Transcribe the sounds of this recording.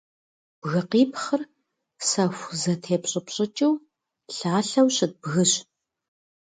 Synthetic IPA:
b̥ɣɨqiːpχər | sɐxʷzɐtʰeːpɕʼɪpɕʼɪt͡ʃʼɪw | ɬaːɬɐwɕɪt̚bɣɨɕ

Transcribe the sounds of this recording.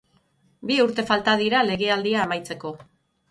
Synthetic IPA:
biuɾt̪e̞falt̪að̞iɾale̞ɣe̞ald̪iaemajt͡se̞ko̞

